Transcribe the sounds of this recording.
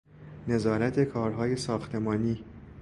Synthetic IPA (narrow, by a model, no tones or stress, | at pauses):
ne̞zɒːɾæt̪ʰe̞kʰɒːɾɦɒːje̞sɒːxt̪ʰe̞mɒːniː